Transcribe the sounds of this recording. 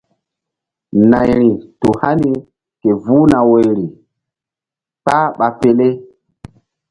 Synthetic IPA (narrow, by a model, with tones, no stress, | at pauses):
na˨jɾi˨tu˨ha˦ni˦ | ke˨vuː˦na˨we˨jɾi˨ | pa˦ɓa˨pe˦le˦